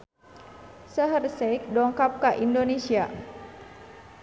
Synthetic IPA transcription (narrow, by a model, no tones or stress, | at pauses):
səɦərsɛjk̚dɔŋkap̚kaʔindonesia̰